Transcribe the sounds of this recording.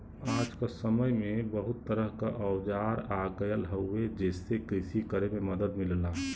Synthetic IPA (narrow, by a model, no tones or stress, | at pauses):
aːd͡ʒkasəməjmẽbəɦʊt̪ːəɾəɦkaʔəʊd͡ʒaɾaɡəjəlɦəed͡ʒeːsekɾɪʃikəɾememəd̪əd̪mɪlla